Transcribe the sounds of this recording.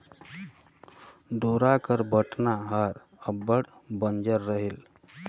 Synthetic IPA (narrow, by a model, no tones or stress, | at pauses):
ɖoɾakəɾbəʈnaɦaɾ | əbːəɽbənd͡ʒəɾːəɦil